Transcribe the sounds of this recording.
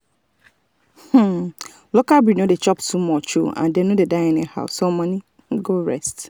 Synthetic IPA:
h̩ | lokalbɹinodet͡ʃɔptʰumɔt͡ʃṵã̰ndenodedaɪɛnḭha̰ʊsomɔ̃nĩ | ɡoɹɛ̰st

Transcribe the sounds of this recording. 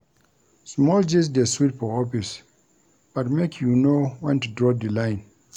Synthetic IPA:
smɔld͡ʒis̬deswit̚pɔɔpis | b̥atmekʰjunowɛ̃ntudɹɔd̪ilãj̃n

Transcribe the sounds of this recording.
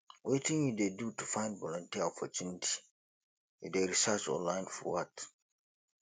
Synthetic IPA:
wetĩŋjudedutufãɪ̃ndvɔlɔ̃ntiaɔpʰɔt͡ʃunitʰi̥ | jṵdeɹisɜt͡ʃɔ̰̃nlãɪ̃nfɔ̰wat

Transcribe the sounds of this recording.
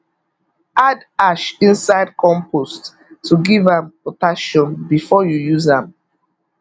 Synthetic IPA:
ad | aʃĩnsaɪd̚kʰɔ̃mpost | tʰːuɡivãmpotaʃɔ̃nbifɔjujuzãm

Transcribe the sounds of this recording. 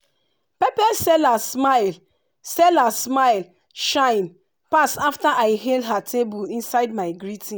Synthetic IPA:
pɛpɛsɛlasmaɪl | sɛlasmaɪl | ʃãɪ̃n | pasaftaʔaɪɦeldɦatʰebulĩnsaɪd̚maɪɡɹitĩ

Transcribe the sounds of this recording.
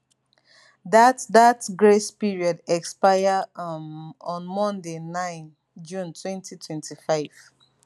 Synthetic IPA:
datdatɡɹespiɹiɔdɛkspaɪjamɔ̃nmɔ̃ndenãɪ̃n | d͡ʒũntʰwɛ̃ntʰitʰwɛ̃ntʰifaɪv̥

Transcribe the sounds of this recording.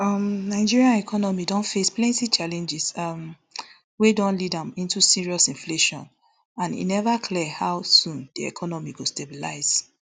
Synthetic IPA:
ʌmnaɪd͡ʒiɹiãnɛkʰɔnɔmidɔ̃nfesplɛ̃ntit͡ʃalɛ̃nd͡ʒizm | wedɔ̃nlidãmĩntusiɹiɔsĩnfleʃɔ̰̃n | ãnḭnɛvakʰlɛhaʊsũndiɛ̰kʰɔnɔmiɡostebila̰ɪz̥

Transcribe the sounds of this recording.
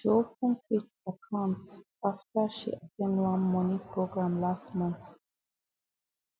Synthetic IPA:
d͡ʒopə̃nk̚ʰwik̚ | əkʰãʊnts | aftəʃḭʔatʰɛ̃ndwãnmɔnĩpʰɹoɡɹãmlastmɔ̃nt

